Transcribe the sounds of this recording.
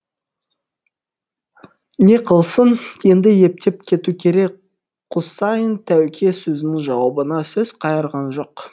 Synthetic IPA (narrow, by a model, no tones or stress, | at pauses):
ne̞qʰəlˠsənje̞nd̪ɪje̞p̚t̪e̞p̚kʲʰe̞t̪ukʲʰe̞ɾe̞k | qʰʊsɑjənt̪ʰæwkʲʰe̞sɵzɪnɪŋʒɑwɑbənɑsɵz̥qʰɑjəɾʁɑnʒo̞q